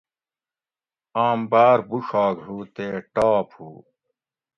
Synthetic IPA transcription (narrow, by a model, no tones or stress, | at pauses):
aːmbaːɾbuʂaːɡɦuːt̪eːʈaːphuː